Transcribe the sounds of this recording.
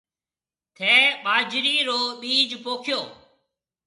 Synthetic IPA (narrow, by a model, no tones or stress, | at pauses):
t̪ʰeːɓaːd͡ʒɾiːɾoːɓiːd͡ʒpoːkʰɪjoː